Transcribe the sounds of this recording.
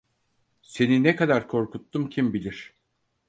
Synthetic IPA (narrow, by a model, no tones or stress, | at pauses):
se̞ninɛkad̪aɾkʰo̞ɾkut̪ːumcʰimbilʲiɾ̝̥